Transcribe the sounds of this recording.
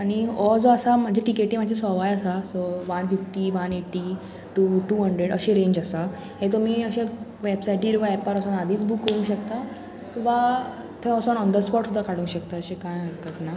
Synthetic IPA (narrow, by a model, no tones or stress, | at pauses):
aɽiɔd͡zɔəsam̤əd͡ʑʱeʈikeʈːiːmadʱd͡ʑesɔʋajasasɔʋanfifʈiʋaneʈi | ʈuʈuːɦəɳɖɾeɽəɕẽɾẽɲd͡ʑəsa | ɦet̪̬ɔmiːəɕẽʋebsajʈiːɾʋaɛpaɾɔsɔnad̪iːt͡sbʱuːkːəɾũŋɕəkt̪a | ʋa | t̪ʰeɔsɔnɔnd̪əspɔʈsud̪ʱːakaɽũŋkɕəkt̪aəɕekãjəɾk̪ət̪na